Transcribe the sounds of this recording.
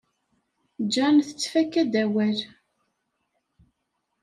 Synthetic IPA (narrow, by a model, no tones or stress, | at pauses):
d͡ʒːænθə̥t͡sːfækːæd̪æwæl